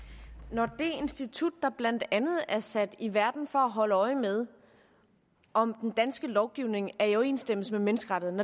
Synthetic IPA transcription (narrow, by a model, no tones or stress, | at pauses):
nɒd̥e̝e̝nsd̥it͡sʰud̥ːɑ̈b̥læn̰d̥ænð̞̩ˠæɐsæd̥iʋæɐd̥n̩fɒ̽æɦɒ̽ləɒ̽ɪəmeð̞ˠ | ʔɒ̽md̥end̥ænsɡ̥əlɒʊɡ̥iʊ̰ne̝ŋæɐiɒʊe̝̰ːnsd̥em̰əsmemenəsɡ̥əʁɑ̈ɾ̥ð̩ˠnɒ